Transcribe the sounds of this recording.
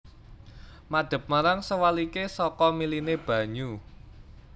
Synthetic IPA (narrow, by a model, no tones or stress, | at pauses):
maɖ̥ə̤p̚maɾaŋsəwalikesɔkɔmilineb̥ä̤ɲu